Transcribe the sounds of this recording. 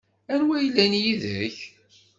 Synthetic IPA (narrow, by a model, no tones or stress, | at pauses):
æɾwæjəlːænjiðə̰ɾç